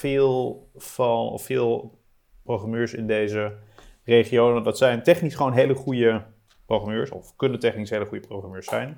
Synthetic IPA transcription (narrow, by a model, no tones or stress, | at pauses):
fɪːlˠfɑnɔ̰fɪːlˠ | prowχamøːɹsɪndejzərejχiownədɑtsɛjntɛχnisχəʋownɦejləχujə | prowχramøːɹsɔ̰fkɵnəntɛχnisɦejləχujəproχramøːɹsɛjn